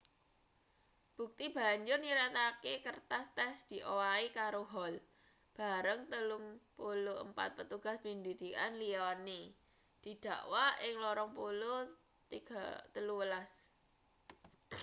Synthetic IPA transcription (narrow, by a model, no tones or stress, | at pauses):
b̥ṳk̚t̪ib̥a̤ɲd͡ʒʊrniɾat̪akekərt̪ast̪ɛsd̪̥i̤ʔowaikaɾoɦɔl | b̥a̤ɾəŋt̪əluŋpuloə̰mpa̰t̪̚pət̪uɡ̥a̤spind̪id̪̥i̤ka̰nliɔni | d̪̥i̤d̪̥ä̤ʔwaɪŋlɔɾɔŋpulo | ɡt̪əluwəlas